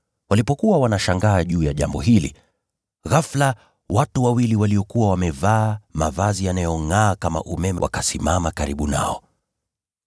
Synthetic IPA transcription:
walipɔkuwawanaʃaŋɡaːʄuːjaʄambɔɦilḭ | ɣafla | watuwawiliwaliɔkuwawamɛvaːmavazijanajɔŋaːkama̰ʔumɛmɛwa̰kasimamakaɾiɓuna̰ɔ

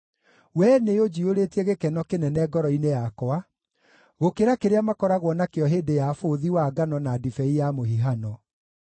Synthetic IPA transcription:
wɛneod͡ʑioɾetiɛɣekɛnɔkenɛnɛɡɔɾɔinejakɔa | ɣokeɾakeɾeamakɔɾaɣwɔnakeɔɦeːdejafoðiwaɡanɔnadifɛijamohiɦanɔ

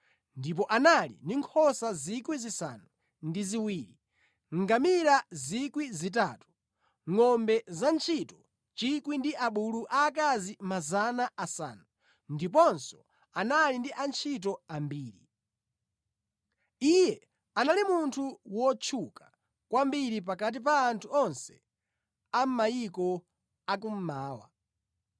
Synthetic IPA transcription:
ndip̬ɔʔanalḭndiŋkʰɔsazikwizisa̰nu | ndiziwiːɾi | ŋ̩ɡamiɾazikwizit̬aːtu̥ | ŋɔmbɛzant͡ʃʰitɔ | t͡ʃikwindiʔaɓuluʔaːkazimazanaʔasa̰ːnu | ndip̬ɔnsɔ̥ | analindiʔant͡ʃʰit̬ɔambiːɾḭ | ijɛ | analimuntʰuwɔt͡ʃʰukḁ | kwambiɾip̬akat̬ip̬aːntʰuɔnsɛ̥ | am̩majikɔ | akum̩maːwa̰

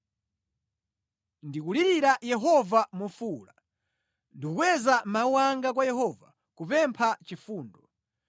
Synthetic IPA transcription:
ndikuliɾiɾajɛɦɔvamufula | ndikukwɛzamauwaŋɡakwajɛhɔva | kupɛmpʰat͡ʃifuːndɔ

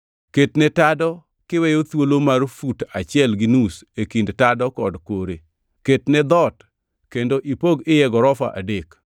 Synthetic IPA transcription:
ketnɛtadɔ | kɪwɛjot̪wolomarfutat͡ʃɪɛlɡɪnusekindtadɔkɔdkoɾe | ketnɛd̪ɔt | kendoʔipoɡɪjɛɡɔɾɔfa̰ʔa̰dek

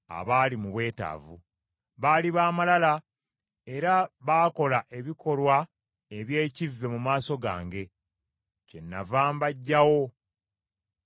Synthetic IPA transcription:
a̰βaːlimuβwe̞ːta̰ːvu | βaːliβaːmalala | e̞ɾaβaːko̞laʔe̞βiko̞lwa | e̞βje̞ːcivːe̞mumaːso̞ɡa̰ːŋɡe̞ | ce̞nːavaːmbaɟːawo̞

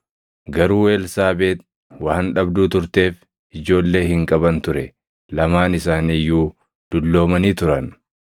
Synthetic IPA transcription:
ɡɐɾuːwe̞ːlsaːbeːt̪̚ | waːnᶑɐbd̪uːt̪ʊɾt̪e̞ːf | ɪd͡ʒo̞ːlːe̞ːhɪŋkʼɐbɐnt̪ʊɾɛ | lɐmaːnɪsaːniːjːuː | d̪̥ʊlːo̞ːmɐniːt̪ʊɾɐn

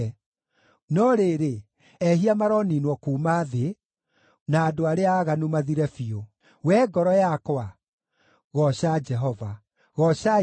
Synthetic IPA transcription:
nɔɾeɾe | ɛɦiamaɾɔninwɔkuːmaːðe | naːdoaɾeaːɣanumaðiɾɛfio | wɛɡɔɾɔjakɔa | ɣɔɕad͡ʒɛɦɔva | ɣɔɕa

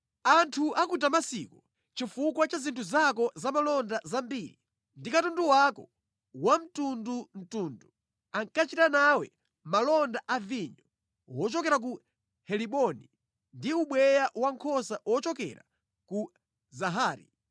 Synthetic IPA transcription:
antʰuʔakut̬amasikɔ | t͡ʃifukwat͡ʃazintʰuzakɔzamalɔndazambiːɾḭ | ndikatunduwakɔ | wam̩tundum̩tuːndu | aŋkat͡ʃitanawɛ̰ | malɔndaʔaviɲɔ | wɔt͡ʃɔkɛɾak̬u | hɛliɓɔni | ndiuɓwɛjaʔwaŋkʰɔsawɔt͡ʃɔkɛ̰ɾa | ku | zaɦaːɾḭ

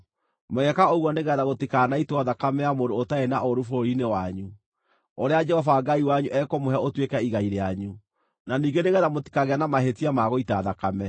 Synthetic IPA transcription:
moɣɛkaoɣwɔneɣɛɾaɣotikaːnaitwaðakamɛjamodoːtaenaʔoɾufoɾinewaɲu | oɾead͡ʒɛhɔvaːɡaiwaɲuʔɛkɔmoɦɛaotwekɛiɣaiɾeaɲu | naniːɡeneɣɛɾamoti̥kaɣeanamaɦetiamaɣoitaðakamɛ

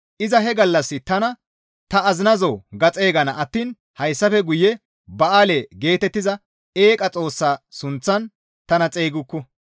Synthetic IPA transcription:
ʔɪzɐɦɛɡɐlːɐsːɪt̪ɐnɐ | t̪ɐɐzɪnɐzoːɡɐt͡sʼe̞ːɡɐnɐʔɐt̪ːiːn | hɐjsːɐfɛɡʊjːɛ | bɐaːleːɡe̞ːt̪ɛt̪ːɪzɐ | eːkʼɐt͡sʼo̞ːsːaːsʊnt͡sːɐn | t̪ɐnɐt͡sʼe̞ːɡʊkːɔ

